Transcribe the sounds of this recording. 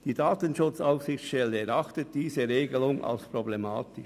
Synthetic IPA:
d̥iːdaːtənʃʊt͡saʊfsɪxt͡sʃtɛlːəɛɾɑχtət̚d̥iːzəɾeːɡəlʊŋʔa̰lspʁoblema̰ːt̪ɪ

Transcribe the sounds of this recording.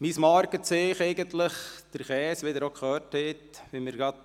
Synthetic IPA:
mismɑːɾkət͡seːχɛɪɡənt̪ləχd̪̥əɾχɛːsʋɪd̪əɾokʰχœːthɛtʋɪməɾɡɾɑd̪̚

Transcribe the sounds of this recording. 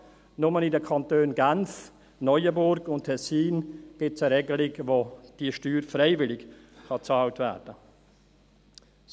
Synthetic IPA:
nʊmənɪdəkʰɑntøːnɡanf | nɔʏəbʊɾɡʊntʰːɛsiːnɡ̥ɪsəɾɛɡəlɪɡʋod̥iːʃtyːɾfrɛɪvɪlɪk | χɑt͡sɑːltvæ̰ːɾd̥ə

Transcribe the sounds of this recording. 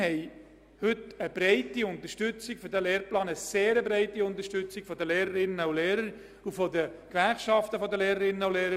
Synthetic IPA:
hɛj | hʏtəb̥ɾɛɪtiʊnt̪əʃtʏt͡siɡ̥fɔɾdæleːɾplɑːnəseːɾəbɾeɪtiʊnt̪əɾʃtʏt͡siɡ̥fɔdəleːɾəɾɪnːənuleːɾəɾ | ufɔdəkʋæɾχʃɑft̪əfɔdəleːɾəɾɪnːəawleːɾə

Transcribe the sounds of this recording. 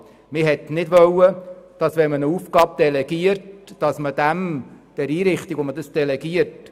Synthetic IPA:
mɪɦɛtnɪdʋœwəd̥ɑsʋɛmənəuːfɡ̥ɑːb̚d̥ɛlɛɡ̥iəɾtd̥ɑsməd̥æmd̪̥ɛɾiːɾɪχt̪ikomədəsd̥ɛlɛɡiəɾt

